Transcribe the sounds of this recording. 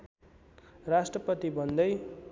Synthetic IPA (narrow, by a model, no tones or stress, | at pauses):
rasʈrʌpʌt̪ibʱʌnd̪ʌj